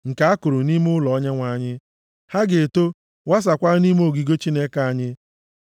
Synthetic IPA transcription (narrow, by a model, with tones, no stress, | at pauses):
ŋ̩˨ka˨a˦kʊ˨ɾʊ˨ni˦m˦ʊ˦lɔ˨ɔ˦ɲe˦ŋʷa˨˦˨ɲɪ˦ | ha˦ɡe˨to˦ | wa˦s̬a˨kʷa˦ni˦m˦o˨ɡi˨ɡo˦t͡ʃi˦ne˦ka˨a˦ɲɪ˦